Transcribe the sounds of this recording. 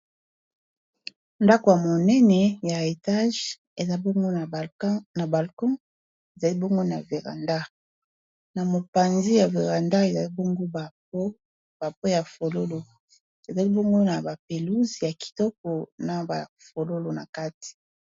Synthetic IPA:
nda˦ko˨ja˨mo˨nɛ˦nɛ˨ja˨e˨ta˦ʒ | e˨za˦bŋɡo˦˨na˨ba˨lkɔ̃˦ | e˨za˨li˦bo˦ŋɡo˦na̰˨ve˨ʁa̰˨nda˦ | na˨mo˨pa˨nzi˦ja˨ve˨ʁa˨nda˦e˨za˨li˦bo˦ŋɡo˦ba˨po˦ | ba˨po˦ja˨fo˨lo˦lo˨ | e˨za˨li˦bo˦ŋɡo˦na˨ba˨pe˨lu˦zi˨ja˨ki̥˨tɔ˦kɔ˨na˨ba˨fo˨lo˦lo˨na˨ka˦ti̥˨

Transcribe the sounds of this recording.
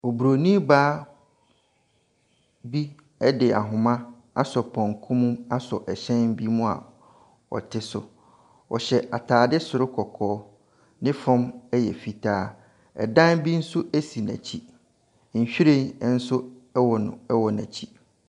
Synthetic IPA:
ɔ˨bu˨ɾo˨nĩ˦baː˦ | bi˦ | ɛ˦dɪ˨a˨ɦʊ̃˨mã˦ | a˦sɔ˨pʰɔ̃˨ŋkʰũ˦mũ˦ma˦sɔ˨ʔɛ˨ɕɛ̃˦nbi˦mũ˦a̰˨ | ɔ̰˨tʰɪ˦sʊ̰˨ | ɔ̰˨ɕɛ˨ʔa˨tʰaː˨dɪ˦sʊ˨ɾʊ˦kʰɔ˨kʰɔː˦ | nɪ̃˦fɔ̃˦mɛ˦jɛ˨fi˨tʰaː˦ | ɛ̰˨dã˦nbi˦n̩˦sʊ˦ʔæ˦si˨næ̰̃˨t͡ɕʰi˦ | ɲ̩˨ɕᶣi˦ɾẽ˦n˦n̩˦sʊ˦ | wɔ˨nʊ̰̃˨ɛ˦wɔ˨næ̰̃˨t͡ɕʰi˦

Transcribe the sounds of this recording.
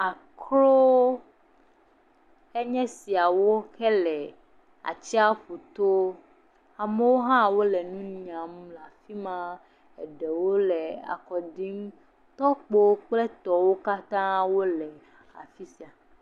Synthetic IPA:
a˨ | kʰlo˦ | e˦ɲɛ̃˦si˨a˨wo˦kɛ˦lɛ˨ | a̰˨t͡ɕi˦a˦ɸo˨t̪o˦ | a˨me˦wo˦ɦã˦wo˦lɛ˨nũ˦nĩ˨ã˨m˦la˨fi˦mã˦ | ɛ˨ɖɛ˨wo˦lɛ˨a̰˨kɔ˨ɖi˦m˦ | t̪ɔ˦k͡po˦k͡ple˦t̪ɔ˨wo˦ka˦t̪ã˦wo˦lɛ˨ | a̰˨fi˦si˨a˨

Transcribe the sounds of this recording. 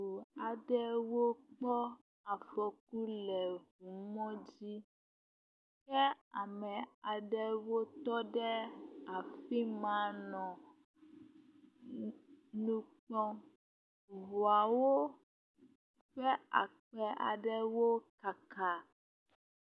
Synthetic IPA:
u˨a˨ɖɛ˦wo˦k͡pɔ˦ | a˨fɔ˨k̚u˦lɛ˨ɦu˨mɔ̃˦d͡ʑi˦ | kɛ˦a˨mɛ̃˨a˨ɖɛ˦wo˦t̪ɔ˦ɖɛ˦a˨fi˦mã˨˦nɔ̃˨ | nũ˦k͡pɔ̃˦ | ɦu˨a˨wo˦ | ɸɛ˦a̰˨k͡pɛ˨ʔa̰˨ɖɛ˦wo˦ka˨ka˦

